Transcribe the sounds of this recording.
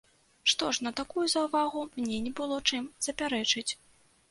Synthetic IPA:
ʂt̪ɔʂnɐt̪akujuzɐwvaɣumnʲɛnʲɛbɨlˠɔt͡ʂɨmz̥ɐpʲaɾɛt͡ʂɨt͡sʲ

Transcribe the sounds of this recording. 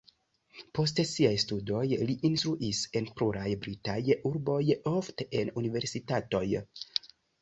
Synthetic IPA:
po̞stesiajstudo̞jliʔinstɾuʔise̞npluɾajbɾitajuɾbo̞jo̞fte̞ʔe̞nunive̞ɾsitato̞j

